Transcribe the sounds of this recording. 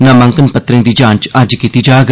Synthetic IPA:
nãːmə̃ŋkənpət̪ɾẽːd̪iːd͡ʒãːnt͡ʃəd͡ʒkiːt̪iːd͡ʒaːɡ

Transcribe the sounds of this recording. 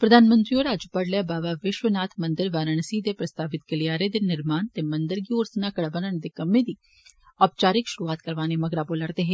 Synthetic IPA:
pɾəd̪aːnmə̃nt̪ɾiːoːɾaːd͡ʒəpəɽlɛːbaːʋaːʋɪʃʋənaːt̪ʰmənd̪ɪɾʋaːɾəɳsiːd̪eːpɾəst̪aːʋɪt̪̚ɡəlijaːɾeːd̪eːnɪɾmaːnt̪eːmənd̪əɾɡiːoːɾsənaːkəɽbənəɳd̪eːkəmːẽːd̪iː | aːp̚t͡ʃaːɾɪkʃʊɾuːaːt̪kəɾʋaːneːməɡɾaːboːləɾd̪eːɦeː

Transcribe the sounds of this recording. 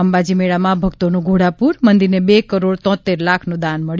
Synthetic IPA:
əmbad͡ʒimeɭamãbʱəɡt̪onũɡʱoɽapuɾmənd̪iɾnebekəɾoɽt̪ɔ̃t̪eɾlakʰnũd̪anməɭj

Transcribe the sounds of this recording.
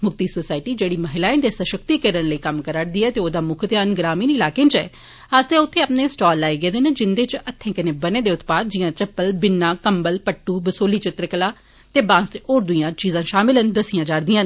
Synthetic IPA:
mʊkt̪iːsoːsaːɪʈiːd͡ʒeːɽiːməɦɪlaːẽnd̪eːsəʃək̚t̪iːkəɾənləiːkəmkəɾəɽd̪iːɛːt̪eːoːd̪aːmʊkʰt̪ɪjaːnɡɾaːmiːnɪlaːkeːnt͡ʃɛ̰ː | əsd̪eːʊt̪ʰːeːapneːsʈɔːlːaːeːɡeːd̪eːned͡ʒɪnd̪eːt͡ʃət̪ʰːẽːkəneːbəneːd̪eːʊt̪paːd̪̚d͡ʒɪjãːt͡ʃəpːəlbɪnːãːkəmbəlpəʈːuːbəsoːliːt͡ʃɪt̪ɾəkəlaː | t̪eːbãːsʈ̪oːɾd̪ʊijãːt͡ʃiːzãːʃaːmɪlənd̪əsɪjãːd͡ʒaːɽd̪iːãːn

